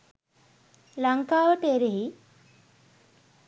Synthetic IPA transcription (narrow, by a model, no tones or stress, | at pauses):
laŋkaːʋəʈeɾeɦi